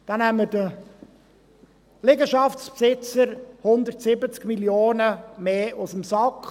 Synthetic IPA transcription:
d̥ɑnɛmədə | lɪɡəʃɑftspsɪt͡səɾhʊnd̪ərtsɪbət͡skmiljoːnəmeːʔusəmsɑkχ

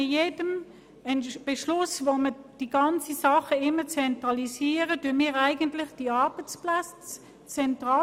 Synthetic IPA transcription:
ɪjeːd̥əm | ɛnb̥ɛʃlʊsvoməd̥iɡ̥ɑnt͡sisɑχəɪmːət͡sɛntʁɑlisiːʁətymiːʁæɪɡəntlɪχd̥iɑʁb̥ət͡spla | t͡s | t͡sɛntʁɑː

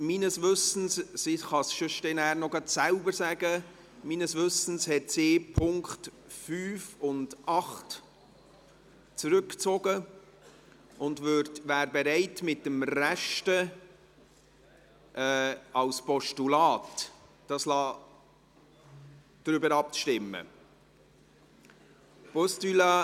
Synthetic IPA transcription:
miːnəsʋʏsən̩ssiχɑsʃoʃtɛnæːɾnɔɡɑtsælbəɾsæɡə | miːnəsʋʏsn̩shɛtsɪːpʰʊŋkχt | fyːfʊndʔɑχt | t͡sɾʏkt͡sɔɡə | ʔʊndvøɾtvæːɾbɛɾɛɪtmɪt̚dəmræʃtə | ʔɛːɑlspɔʃtulɑːtː | ɑːslɑː | d̥ɾʏbəɾɑp̚t͡sʃtɪmːə̰ | pɔstylɑ

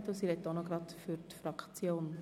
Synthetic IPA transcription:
t̪osiɾɛtːonɔɡ̥ɾɑtfyɾtfɾɑkʰt͡sjoːn

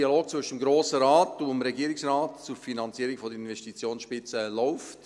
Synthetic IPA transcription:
iɑloːk̚t͡svʏʃədəmɡɾoːsəɾɑːtomɾɛɡiːɾɪksraːtt͡suɾfinɑnt͡siəɾɪŋfɔdəɪnʋɛstit͡sjoːnsʃpɪt͡səlɔʊft

